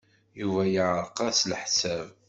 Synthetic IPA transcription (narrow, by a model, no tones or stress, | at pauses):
juvæjəʕɾˤqɑslħsæv